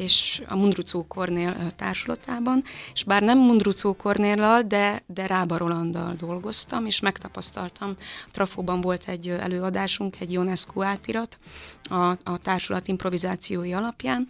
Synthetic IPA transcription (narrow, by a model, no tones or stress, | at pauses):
eːʃɒ̰mund̪rut̪soːkʰo̞rneːlt̪a̰ːrʃulɒ̰t̪aːbɒneʃbaːrnɛmːund̪rut̪soːko̞rneːlːɒld̪ɛd̪ɛɾaːbɒɾo̞lɒnd̪ɒ̰ld̪o̞lɡo̞st̪ɒmeːʃmɛkt̪ɒpɒst̪ɒlt̪ɒmt̪rʔɒfoːbɒɱvo̞lt̪ʰɛɟːɛ̰løːɒd̪aːʃuŋkɛɟjonɛskoːaːt̪iɾɒt̪ɒt̪aːrʃulɒt̪impro̞vizaːt̪sijoːjiɒlɒpjaːn